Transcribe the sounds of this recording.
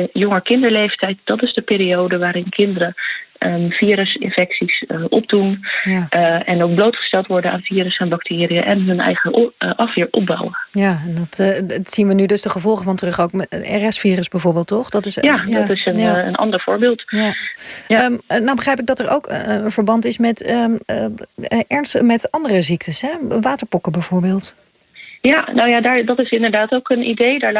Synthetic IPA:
jɔŋəɹkɪndəɹlejftɛjtd̥ɑtɪzdəpɪːɾiowdəʋaːɾɪnkʰɪndəɾə | v̥iːɾəsɪ̰nfɛksisʔɔ̰p̚dunjaɛnowk̚blowtχə̥stɛlˠtʋɔɹdəna̰ːnviːɾəsɛnbɑktʰɪːrijəʔɛnɦɵnɛ̰jχəʔɑfɪːɹʔɔp̚bɔ̰wəjaɛndɔtsinʋənydɵsdəχəvɔlˠχəvɑntərɵχowkɛ̰rɛsfiːrəsbɛjvoːɹbɪːlˠtːɔχdɔtɪsjajdtɪsənənʔɑ̰ndəɹv̥ʊːɹbɪːlˠtja | ənawbəχrɛjp̬ɪɡ̚dɑtəɹʔo̰wkv̥əɹbɑntɪsmɛtəəʔɛɹnstmɛtɑndərəzik̚təsɦɛʋaːtəɹpɔkəbɛjv̥oːɹbɪːlˠt | janowjadaːɹdɑtɪsɪndəɹdaːtowkənḭdejdaːɹ

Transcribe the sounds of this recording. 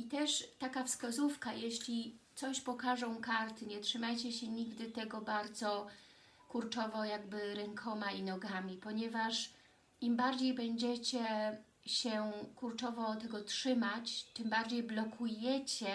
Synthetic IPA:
it̪ɛʂt̪akafskazufkajeɕlʲit̪sɔɕpɔkaʐɔ̃w̃kaɾt̪ɘɲɛtʂɘmajt͡ɕɛɕɛɲiɡd̪ɘt̪ɛɡɔbaɾd̪zɔ | kuɾt͡ʂɔvɔjaɡbɘɾɛŋkʰɔmainɔɡamʲipɔɲɛvaʂ | imbaɾd͡ʑejbɛɲd͡ʑɛt͡ɕɛ | ɕɛkuɾt͡ʂɔvɔt̪ɛɡɔtʂɘmat͡ɕt̪ɘmbaɾd͡ʑejblɔkʰujɛt͡ɕɛ

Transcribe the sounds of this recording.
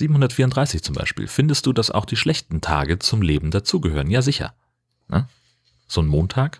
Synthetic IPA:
z̥iːbm̩hʊndɐtfiːɐʊntd̥ʁaɪsɪçt͡sʊmba̰ɪʃpḭːlfɪndəst̚d̥uːd̥asa̰ʊxd̥iːʃlɛçtn̩tʰa̰ːɡət͡sʊmleːbm̩dat͡suːɡəhøːʁənjaːzɪçɐ̰ | nʔə̰ | z̥oːnmoːntʰaːk

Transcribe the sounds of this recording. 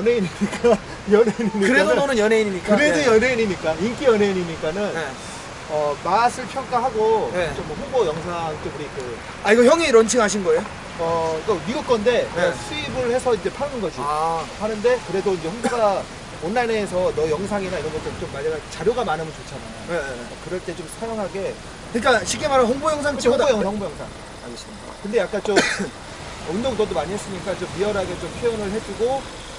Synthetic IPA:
jʌneiɲimɲik͈a | jʌnɦeiɲiɲkɯɾenʌnɯnjʌnɦe̞iɲimɲik͈ɯɾedojʌneiɲimɲik͈aink͈ijʌnɦe̞iɲimɲik͈anɯne | ʌmasʰɯɭpʰjʌŋk͈aɦaɡoet͡ɕomwʌɸubojʌŋs̬ʰaŋt͡ɕ͈ouɾike | aiɡʌçjʌŋiɾʌnt͡ɕʰiŋɦaɕʰinɡʌe̞jo | ʌik͈amiɡuk̚k͈ʌnde̞sʰuibɯɭhe̞sʰʌind͡ʑe̞pʰaɡɯɯnɡʌd͡ʑipʰanɯnde̞kɯɾe̞doind͡ʑe̞hoŋboɡa | ʌnːaneːsʰʌnʌjʌŋsʰaŋinaiɾʌnɡʌt͈et͡ɕomːaɭaɡat͡ɕaɾjoɡamanɯmɯnt͡ɕot͡ɕʰana | ekɯɾʌɭt͈e̞t͡ɕomsʰajaŋɦaɡe̞ | kɯɲik͈aɕʰikemaɾaɸoŋbojʌŋs̬ʰaŋt͡ɕʰjʌŋŋbojʌŋsʰaŋ | a̰ɭɡes͈ɯmɲida̰kɯnde̞jak͈at͡ɕo | undoŋtʌdomaɲiɦe̞s͈ɯmɲik͈at͡ɕomiʌɾɦaɡet͡ɕompʰjojonɯɭɦed͡ʑuɡo

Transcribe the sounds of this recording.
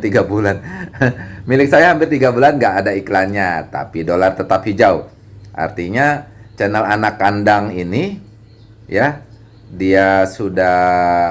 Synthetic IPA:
t̪iɡabulan | milɪk̚sajahampɪrt̪iɡabulanɡaːdaiklanɲat̪a̰pidolart̪ət̪apid͡ʒaʊh | ʔa̰rt̪iɲat͡ʃənəlanakːandaŋini | ja | diasudah

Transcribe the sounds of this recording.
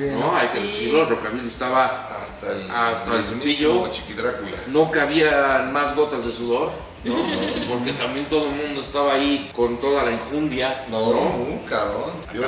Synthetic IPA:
noajkeðesuðoɾokaβiloest̪aβa | ast̪aast̪alsuiʎot͡ʃikiðɾakulanũŋkaːβiamazɣo̞t̪azðesuðoɾ | npoɾket̪ambjent̪o̞ðomũnd̪o̞est̪aβaːiko̞nt̪o̞ðalaiɱfund̪janoonkaβɾon

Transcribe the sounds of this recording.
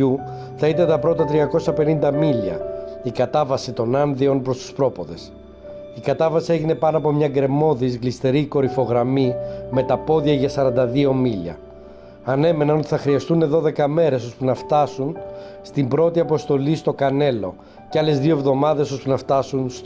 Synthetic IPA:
u | θɐit̪ɐnt̪ɐpɾo̞t̪ɐt̪ɾiɐko̞sɐpe̞nind̪ɐmilɐ̰ikɐt̪ɐvɐsit̪o̞nɐnðio̞npɾo̞st̪u̥spɾo̞po̞ðe̞s | ikɐt̪ɐvɐsie̞ʝine̞pɐnoɐpo̞mɲɐɡɾe̞mo̞ðizɣlist̪e̞ɾiko̞ɾifo̞ɣɾɐmime̞t̪ɐpo̞ðjɐʝɐsɐɾɐnd̪ɐðio̞miʎɐ̰ | ɐne̞me̞nɐnot̪i̥θɐxɾiɐst̪une̞ðo̞ðe̞kɐme̞ɾe̞so̞spunɐft̪ɐsun | st̪imbɾo̞t̪iɐpo̞st̪o̞list̪o̞kɐne̞lo̞ | cɐle̞zðioevðo̞mɐðe̞so̞spunɐft̪ɐsunst̪

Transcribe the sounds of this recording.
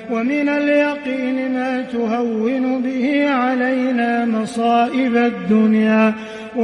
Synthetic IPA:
wamɪnaljɑqiːnmaːt̪ʊɦawːɪnʊbɪhɪʕalajnaːmɑsˤɑːʔɪbad̪ːʊnjaː

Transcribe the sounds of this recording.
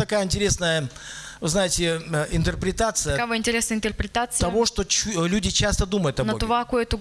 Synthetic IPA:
t̪ɐkajəɪnʲtʲɪɾʲesnəjə | vɨznajɪtʲɪɪnt̪ərpɾʲɪt̪at̪sɨjəkavaɪnʲtʲɪɾʲesnəjɪnt̪ʲɪrpɾʲɪt̪at̪sɨt̪ɐvoʂt̪o̞t͡ɕlʲudʲɪt͡ɕast̪əd̪uməjʊt̪ɐnəɡ̪ʊvakujɛt̪ʊ

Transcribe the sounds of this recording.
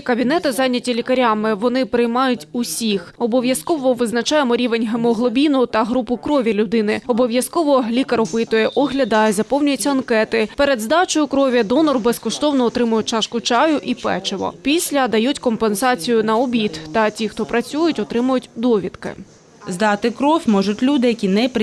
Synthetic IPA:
kɐbʲin̪ɛt̪ɪzɑnʲːɐtʲilʲikɐɾʲɑmɪʋɔnɪpɾɪjmɑjʊtʲʊsʲixɔbɔʋʲjɐskɔʋɔʋɪznɐt͡ʃɑjemɔɾʲiʋe̞nʲɦemɔɦlˠɔbʲinʊt̪ɐɦɾupʊkɾɔʋʲilʲʊd̪ɪnɪɔbɔʋʲjɐskɔʋɔlʲikɐɾɔpɪt̪ʊjɛʔɔɦlʲɐd̪ɑjɛzɐpɔwnʲʊjʊtʲːɐɐnkɛt̪ɪpeɾed̪zd̪ɑt͡ʃɔjʊkɾɔʋʲjɐd̪ɔnɔrbeskɔʃt̪ɔwnɔːt̪ɾɪmʊjʊt͡ʃɑʃkʊt͡ʃɑjʊʔipɛ̰t͡ʃeʋɔ̰pʲisʲlʲɐd̪ɐjutʲkɔmpensɑt͡sʲijʊn̪ɐɔbʲit̪t̪ɐtʲixt̪ɔpɾɐt͡sʲujʊtʲɔt̪ɾɪmʊjʊtʲd̪ɔʋʲit̪kɪ̰ | zd̪ɑt̪ɪkɾɔfʲmɔʒʊtʲlʲud̪ɪjɐkʲinɛpɾ

